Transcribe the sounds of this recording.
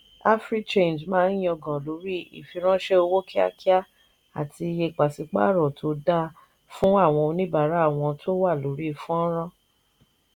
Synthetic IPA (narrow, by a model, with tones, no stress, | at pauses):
a˦fɾi˦t͡ʃẽ˦˨nd͡ʒmãː˦n˦jĩ˦ɔ˧ɡã˨lo˨˦ɾi˦˨ḭ˨fi˧ɾ̃ã˦ʃe˦o˧wo˦ki˦a̰˦ki˦a˦ | a˨tʰi˧je˧k͡pa˨si˧k͡pa̰˦˨ɾɔ˨tʰo˧da˦ | fũ˦a˦˨w̃ɔ̃˧o˧nĩ˦ba˨ɾa˨˦˨w̃ɔ̃˧tʰo˦wa˦˨lo˨˦ɾi˦fũ˦ɔ˦ɾ̃ã˦